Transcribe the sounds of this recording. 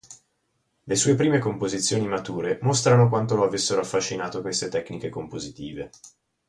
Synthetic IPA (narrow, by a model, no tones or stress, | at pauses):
lesuːep̬ɾiːmekompozit̪sːjoːnimat̪uːɾemost̪ɾanokwant̪oloavesːeɾoafːaʃːinaːt̪okwest̪et̪ɛkːnikekompozit̪iːve